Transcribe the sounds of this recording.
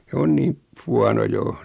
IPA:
s on niːm huɑno jo

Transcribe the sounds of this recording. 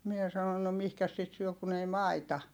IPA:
mie sɑnon no mihkæs sit syø kun ei mɑitɑ

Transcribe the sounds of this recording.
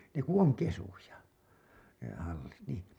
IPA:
ne ku oŋ kesujɑ ne hɑlːit niˑ

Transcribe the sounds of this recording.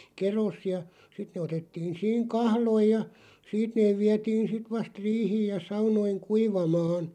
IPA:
keros jɑ sit ne otetːiːn̞ siːŋ kɑhloij̆ jɑ siːt neːʋ̆ ʋiɛtiːn sit ʋɑst riːhiːj jɑ sɑunoiŋ kuiʋɑmɑːn

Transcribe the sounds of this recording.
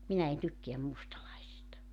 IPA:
minæ en tykːeæm mustɑlɑisistɑ

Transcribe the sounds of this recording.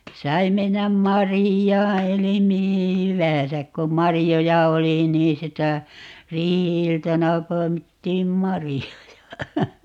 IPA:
sɑi menːæm mɑrijɑː eli mihi hyʋæ̃ːsæk kom mɑrijojɑ oli niː sitæ riːhiiltɑnɑ poi̯mitːiːm mɑrijojɑ

